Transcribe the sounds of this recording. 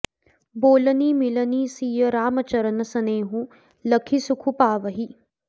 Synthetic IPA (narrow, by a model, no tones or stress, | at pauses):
boːlɐniːmilɐniːsiːjɐɾaːmɐt͡ʃɐɾɐnɐsɐneːɦũ | lɐkʰisukʰupaːʋɐɦi